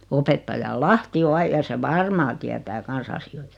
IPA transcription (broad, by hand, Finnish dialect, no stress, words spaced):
opetːɑjɑ lɑhti o ɑi jɑ se ʋɑrmɑː tiætæː kɑns ɑsioi̥tɑ̥